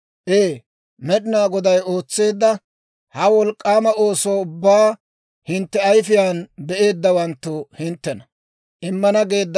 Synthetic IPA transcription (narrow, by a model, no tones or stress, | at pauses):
ʔeː | mɛɗɪnaːɡɔd̪ɐjo̞ːt͡sːe̞ːd̪ːɐ | hɐwɔlkʼːaːmɐo̞ːsoːʊbːaː | hɪnt̪ːɛɐjfɪjaːnbɛʔe̞ːd̪ːɐwɐnt̪ːʊhɪnt̪ːɛnɐ | ʔɪmːɐnɐɡe̞ːd̪ːɐ